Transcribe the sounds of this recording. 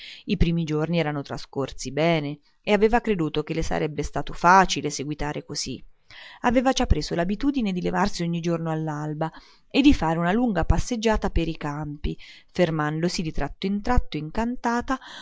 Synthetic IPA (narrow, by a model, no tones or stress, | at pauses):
ipɾiːmid͡ʒorniɛːɾanot̪ɾa̰skorsibɛːne | eaveːvakɾed̪uːt̪ok̟elːesa̰ɾʔɛbːest̪aːt̪ofaːt͡ʃileseɡwit̪aːɾʔekoz̥iaveːvad͡ʒapːɾeːzolabit̪uːd̪ined̪ilevarsioɲːid͡ʒornoalːalba | ed̪ːifaːɾeunaluŋɡapasːed͡ʒːaːt̪apeɾikampifermand̪osid̪it̪ɾat̪ːoint̪ɾat̪ːoiŋkant̪aːt̪a